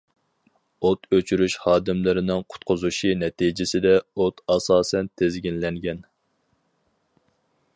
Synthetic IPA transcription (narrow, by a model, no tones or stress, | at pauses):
ot̪øt͡ʃʰyɾyʃhɑːd̪ɪmlɪɾɪnɪŋqʰʊ̥t̪̚qʰʊzuʃinɛt̪ʰid͡ʒɪsɪd̪ɛot̪ʰɑsɑːsɛnt̪ʰezɡʲinlɛŋɡʲɛn